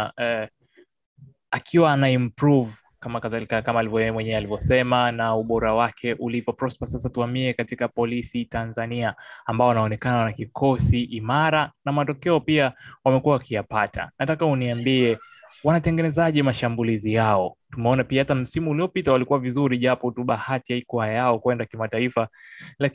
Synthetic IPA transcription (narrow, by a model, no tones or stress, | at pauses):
ɛ | akʰiwaanaimpɾuv | kamakaðalikakamaːlivmwɛɲɛalivjɔsɛmanauɓɔɾawakʰɛʔulivɔpɾɔspasasatuambiɛkatikapɔlisitanzaniaːmbaɔanaɔnɛkananakikʰɔsiʔimaɾanamatɔkɛɔpiawamɛkuawakijapatʰa̰natakauniambiɛwanatɛŋɡɛnɛzaʄɛmaʃambulizijaɔtumɛɔnapiahatam̩simuːliɔpitawalikuwavizuɾiʄapɔtuɓahatihaikɔhajajaɔkwɛndakimataifala